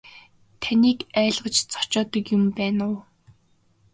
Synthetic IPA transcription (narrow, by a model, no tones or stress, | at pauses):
t̪ʰaniːkæːɮʁə̆t͡ɕt͡sɔ̥t͡ɕɔːt̪ə̆kjʊmpæːnʊː